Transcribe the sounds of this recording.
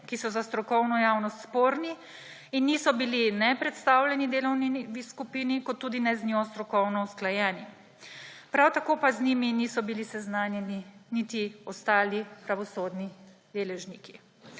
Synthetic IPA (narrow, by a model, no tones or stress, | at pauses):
kisɔzast̪ɾɔkɔwnɔjaːwnɔst̪spoːɾni | inːiːsɔbilinɛpɾɛt̪st̪aːwlʲɛnid̪eːlɔwniʋiskupiːnikɔt̪ːuːd̪inɛznɔst̪ɾɔkɔwnɔusklajɛːni | pɾawt̪akoːpazniminisɔbilisɛznaːnjɛninit̪iɔst̪aːlipɾaʋɔsoːd̪nid̪eːlɛʒniki̥